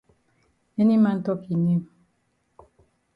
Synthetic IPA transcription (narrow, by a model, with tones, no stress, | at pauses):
e˦ni˦ma˦n̩˦tɔ˦ki˨ni˦˨m